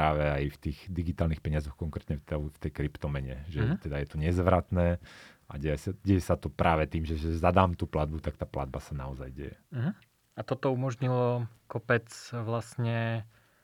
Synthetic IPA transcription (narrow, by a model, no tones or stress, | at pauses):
ɾaːʋɛajft̪iːɣd̪iɡit̪aːlnixpɛɲɪazɔxkɔŋkɾɛːt̪ɲɛft̪ɛft̪ɛjkɾipt̪ɔmɛɲɛ̰ʒɛt̪ɛd̪ajɛt̪ɔɲɛzʋɾat̪nɛːaɟɛjɛsaɟɛjɛsat̪ɔpɾʔaːʋɛt̪iːmʒɛʒɛzad̪aːmt̪uːplad̪̚but̪ak̚t̪aːpla̰d̪basanaɔzajɟɛ̰jɛɦ̩ | at̪ɔt̪ɔumɔʒɲilɔkɔpɛt͡sʋlasɲɛ